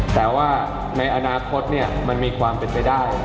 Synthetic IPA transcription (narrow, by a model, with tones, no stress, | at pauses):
t̪ɛː˨˩waː˥˩ | na˧jʔa˧naː˧kʰo˦˥t̪̚ni˥˩ɐma˧nmiː˧kʰwaː˧mpe˧npa˧˩jdaː˥˩j